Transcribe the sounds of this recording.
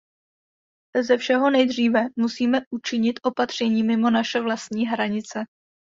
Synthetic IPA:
zɛfʃɛɦo̞nɛjd̪r̝iːvɛmusiːmɛʔut͡ʃɪɲɪt̪ʔo̞pat̪r̝̥ɛɲiːmɪmo̞naʃɛvlast̪ɲiːɦɾaɲɪt͡sɛ

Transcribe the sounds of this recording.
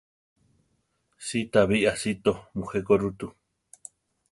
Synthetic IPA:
sit̪aβiʔasit̪omuhekoɾut̪u

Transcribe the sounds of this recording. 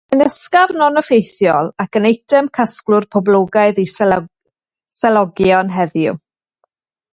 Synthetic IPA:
ənəskavnɔnɔfejθjɔlˠakənejtʰəmkʰasklˠʊrpʰɔblˠoɡaɨðis | sɛlˠɔɡjɔnɦɛðjʊ̰

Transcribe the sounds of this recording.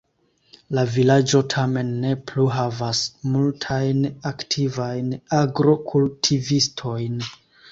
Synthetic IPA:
lavilad͡ʒo̞tʰame̞nːe̞pluɦavasmultʰajnaktʰivajnaɡɾo̞kʰultʰivistʰo̞jn

